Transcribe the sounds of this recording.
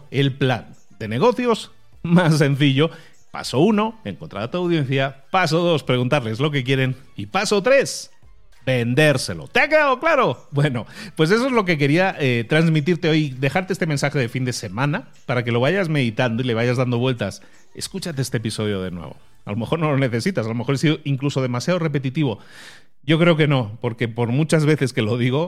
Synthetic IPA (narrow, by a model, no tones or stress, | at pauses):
e̞lpla̰n | d̪e̞ne̞ɣ̞o̞θjo̞z | masːe̞n̟θiʝo̞ | pa̰so̞uno̞e̞ŋkont̪ɾa̰ðat̪oawðje̞n̟θjapas̬o̞ðo̞spɾeɣunt̪aɾle̞zlo̞k̬e̞k̬je̞ɾe̞n | ipasot̪ɾe̞s | be̞nd̪e̞ɾse̞lo̰t̪e̞ake̞ðað̞o̞klaɾo̞bwe̞no̞pwe̞s̬e̞s̬oezlo̞k̬e̞k̬e̞ɾiaʔet̪ɾanzmit̪̬iɾt̪eo̞jðe̞xaɾt̪eest̪e̞me̞nsaxeðefind̪e̞se̞mãna | paɾake̞lo̞β̞aʝazme̞ðit̪and̪o̞ile̞βaʝazðand̪o̞βwe̞lt̪as | e̞̰skut͡ʃat̪eest̪episo̞ð̞jo̞ðe̞̰nwḛβo̞̰ | a̰lo̞me̞xo̞ɾno̞lo̞ne̞θe̞sit̪asalo̞me̞xo̞ɾesiðoiŋkluso̞ð̞e̞masjað̞ore̞pe̞t̪it̪iβo̞ | ɟ͡ʝo̞kɾe̞oke̞no̞po̞ɾke̞po̞ɾmut͡ʃazβe̞θe̞ske̞lo̞ðiɣo̞